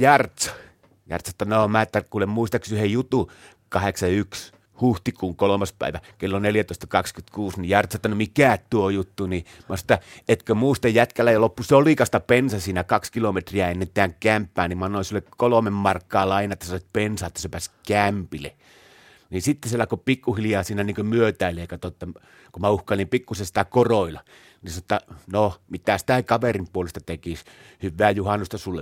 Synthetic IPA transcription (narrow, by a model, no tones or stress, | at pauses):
jɑrt̪sɑ̥ | jɑ̰rt̪sɑet̪ːɑnomæet̪ːækuːlemmuist̪ɑksyhejjut̪u | kɑheksɑyks | huht̪ikuːŋkolomɑspæ̰ˑiʋækelːoneljæt̪oˑist̪ɑ̥kɑkskyt̪kuːsnijɑrt̪sɑet̪ːɑnomikæˑtt̪uojut̪ːunimɑset̪ːɑet̪kømuist̪ɑjjæt̪kælːæjɑlopːusoliˑkɑst̪ɑpensɑsiːnækɑkskilomet̪riæenːent̪ːˑeæːŋkæmpːæːnimɑnːoˑinsulːekkolomemmɑrkːɑːlɑinɑet̪ːæsɑet̪̚pensɑːet̪ːæsepæːskæmpilḛ | nisit̪ːeselːækopikːuhiljɑːsiːnæniːŋkømyøt̪æˑilːeeˑikɑt̪ot̪ːɑ | kumæuhkɑlimpikːusesit̪ækoroilɑ | nisɑnŏt̪ːɑnomit̪æsi̥t̪ækɑʋerimpuolest̪ɑt̪ekishyʋːæːjuhɑnːust̪ɑsulːe